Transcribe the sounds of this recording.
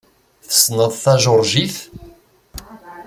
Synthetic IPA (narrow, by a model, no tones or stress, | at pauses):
θə̥snəðˤθæʒʊɾˤʒiθ